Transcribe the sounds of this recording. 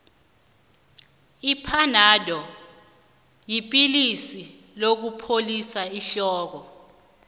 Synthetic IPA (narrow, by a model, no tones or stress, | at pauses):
ipʰanadʱɔ | jipʼilisi | lok̬upʰolisaiɬɔːk̬ɔ